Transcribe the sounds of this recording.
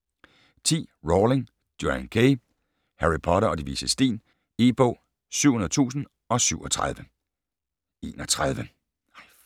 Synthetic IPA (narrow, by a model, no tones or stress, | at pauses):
t͡sʰḭːʁoːleŋ | d̥joænkʰe | hæʁipʰɒ̽ɾɐɒ̽d̥iʋḭsəsd̥ḭːn | e̝ːb̥o̰ː | syʊ̰hunɐð̩ˠt͡sʰṵːsn̩ | ɒ̽syʊ̰ɒt͡sʰʁað̞ˠʋə | e̝ːnɒt͡sʰʁað̞ˠʋə